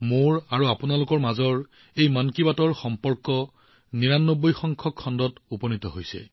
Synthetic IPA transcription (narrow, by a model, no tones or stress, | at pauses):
moɹaɹuapʊnalʊkɔɹmazɔɹ | ejmankibatɔɹxɔmpɔɹkɔ | niɹanːobːɔjxɔŋkʰɔkʰːɔndɔtupɔnitɔɦojsɛ̰